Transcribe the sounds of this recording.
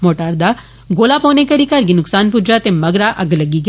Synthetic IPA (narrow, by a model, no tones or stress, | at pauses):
moːʈaːɾd̪a | ɡoːlapõːnekɐɾikɐɾɡinʊksaːnpʊd͡ʒat̪emɐɡɾaʔɐɡlɐɡiɡ